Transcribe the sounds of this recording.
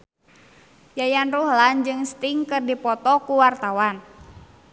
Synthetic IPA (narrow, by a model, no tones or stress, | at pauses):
jajanruhland͡ʒɨŋst̪iŋkɨrdipɔt̪ɔkuwart̪awan